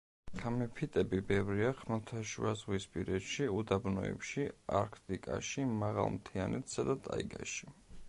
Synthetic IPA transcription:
kʰamɛpʰit̪ʼɛbibɛvɾiaχmɛlˠt̪ʰaʃṵazʁwispʼiɾɛt̪ʃiud̪abnɔ̰ɛ̰pʃiaɾkʰt̪ʼikʼa̰ʃimaʁa̰lˠmt̪ʰianʔɛt̪sad̪at̪ʼaḭɡa̰ʃi̥

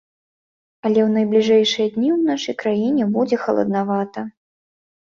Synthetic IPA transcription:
ɐlʲɛwnɐjblʲiʐɛjʂɨjɐd̪ʲnʲiwnaʂɐjkɾajinʲɛbud͡zʲɛxɐlˠɐ̰d̪navat̪ɐ

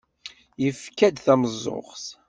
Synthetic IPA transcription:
jəfkæd̪θæməzˤːo̰ʁs

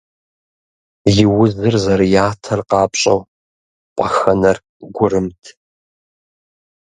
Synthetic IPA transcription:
jɪwʊzɨrzɐrjaːtʰɐrqɑːpɕʼɐ̰w | pʷʼɐxɐnɐr | ɡʷʊrɨmtʰ

